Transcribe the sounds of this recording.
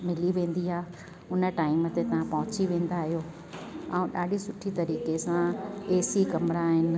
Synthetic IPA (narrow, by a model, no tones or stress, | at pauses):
mɪliʋẽːn̆d̪iɦaː | ʊnə̆ʈaːɪmət̪et̪ɐʋ̤ãpɐɦʊt͡ɕiʋẽːn̆d̪aːɦijoː | ãũɗaːɗisʊʈʰit̪ɐɾiːkesãeːsikɐmɪɽaːɦɪnɪ̆